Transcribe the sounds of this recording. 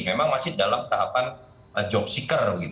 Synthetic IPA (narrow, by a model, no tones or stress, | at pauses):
memaŋmasɪhdalamt̪aɦapan | əd͡ʒɔk̚sikərbəɡit̪